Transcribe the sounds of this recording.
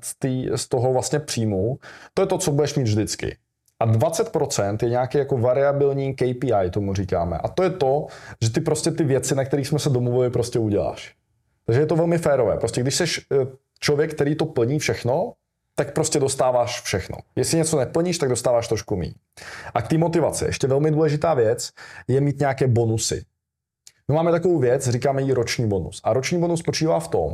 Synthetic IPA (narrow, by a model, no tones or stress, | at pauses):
st̪iːst̪oɦo̞vlast̪ɲɛpr̥iːmut̪ojɛt̪o̞t͡so̞budɛʃmiːt̪vʒdɪt͡skɪ̰ | ʔadvat͡sɛt̪pɾo̞t͡sɛnt̪jɛɲɛakɛjakovaɾɪabɪlɲiːkɛjpiːajt̪omuriːka̰ːmɛ̰ʔat̪o̞jɛt̪oʒɛt̪ɪpɾo̞scɛt̪ɪvjɛt͡sɪnak̚t̪ɛɾiːxsmɛsɛdomluvɪlɪpɾo̞scɛuɟɛla̰ːʃ | t̪aɡʒɛjɛt̪o̞vɛlmɪfɛːɾovɛ̰ːpɾoscɛɡdɪʃsɛʃ | t͡ʃlovjɛkːt̪ɛɾiːt̪o̞pl̩ɲiːfʃɛxno̞ | t̪ak̚pɾoscɛdo̞st̪aːvaːʃfʃɛxno̰jɛsɪɲɛt͡sonɛpl̩ɲiːʃt̪aɡ̚dost̪aːvaːʃt̪ɾoʃkumḭː | ʔak̚t̪iːmo̞t̪ɪvat͡sɪ̰ʔɛ̰ʃcɛvɛlmɪduːlɛʒɪt̪aːvjɛt͡sjɛmiːt̪ɲɛakɛːbo̞nusɪ̰ | mɪmaːmɛt̪akovowvjɛt͡sriːkaːmɛjiːɾot͡ʃɲiːbo̞nṵsʔaɾot͡ʃɲiːbonusːpot͡ʃiːvaːft̪o̞̰m